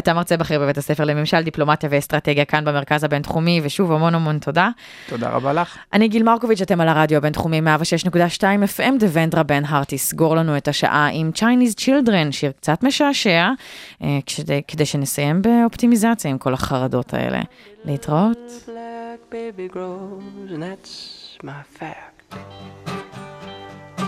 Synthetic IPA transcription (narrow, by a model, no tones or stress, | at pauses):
atamaʁt͡sebaχeʁbevetasefelememʃald̪iplo̞matjavest̪ʁɐteɡjakanbemeʁkazhabe̞ntχumiveʃuvamo̞namo̞ntʰo̞da | toda̰ʁa̰balaχʔaniɡilmaʁkovit͡ʃate̞malaʁadjoabe̞nt̪χumimeavaʃeʃnekudaʃtaimefʔemdeventʁabenɦaʁt̪isɡoʁlanuetaʃa̰ʔaʔimt͡ʃajnizt͡ʃild̪ʁenʃiʁkt͡satme̞ʃaːʃea | ʃedekedejʃenesajembe̞o̞pt̪imizat͡sjaimko̞laχaʁado̞tʰa̰ḛlḛleitʁaotblæk̚b̥eɪbiɡɹoznðætsmafæk̚t